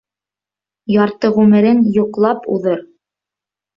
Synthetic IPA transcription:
jɑɾt̪ɤʁʉmɘ̆ɾɘnjuqlˠɑpṵðɤɾ

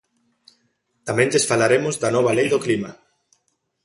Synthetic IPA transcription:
t̪amẽndesfalaɾemʊzd̪anɔβ̞alejðoklima

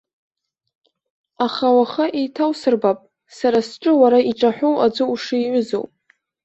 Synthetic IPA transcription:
aχawaχaʔejtʰawsɨrbapʼ | saɾasʈ͡ʂʼɨwaɾaiʈ͡ʂʼaħʷᶣowad͡ʒʷɨuʂɨjʕʷʊzo̰wpʼ

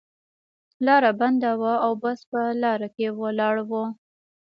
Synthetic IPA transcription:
lɑɾaband̪awaawbaspəlɑɾakewəlɑɽwo

